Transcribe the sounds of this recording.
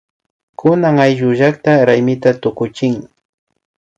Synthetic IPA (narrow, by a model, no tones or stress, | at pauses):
kʊnaŋajʒʊʒakt̪aɾajmɪt̪at̪ʊkʊt͡ʃɪŋ